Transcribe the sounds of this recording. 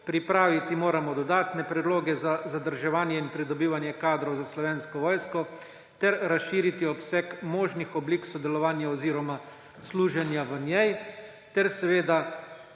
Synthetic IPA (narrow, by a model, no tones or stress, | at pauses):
pɾipɾaːʋit̪imoːɾamɔd̪ɔd̪aːt̪nɛpɾɛd̪loːɡɛzazad̪əɾʒɛʋaːnjɛinpɾid̪ɔbiːʋanjɛkaːd̪ɾɔwzaslɔʋeːnskɔʋɔːjskɔ | t̪ɛɾɾasʃiːɾit̪iɔpsɛkmoːʒnixɔbliːksɔd̪ɛlɔʋaːnjaɔziːɾɔma | sluːʒɛnjaʋənjɛj | t̪ɛɾsɛʋeːd̪a